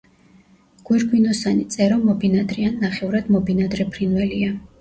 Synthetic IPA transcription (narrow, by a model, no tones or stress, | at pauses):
ɡ̥wɛɾɡwinɔsanit̪sʼɛɾɔmɔbinad̪ɾianːaχɛvɾad̪mɔbinad̪ɾɛpʰɾinvɛlia